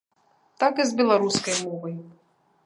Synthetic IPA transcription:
t̪akɨzbʲɛlˠaɾuskɐjmɔvɐj

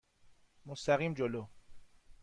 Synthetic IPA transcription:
most̪ʰæɣiːmd͡ʒoloː

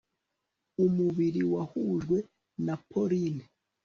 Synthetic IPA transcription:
umuβiɾiwahuʒɡwe̞ | napʰoɾini

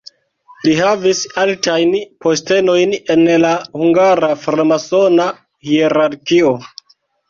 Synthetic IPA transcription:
liɦavisaltajnpo̞ste̞no̞jne̞nlahuŋɡaɾafalmaso̞na | hieɾaɾkio

